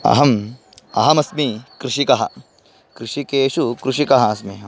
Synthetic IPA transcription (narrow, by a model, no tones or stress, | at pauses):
ɐ̰ɦɐm | ɐ̰ɦɐmɐsmikɾuʃikɐɦɐ̰ | kɾuʃikeːʃukɾuʂikɐɦɐːsmiɦɐ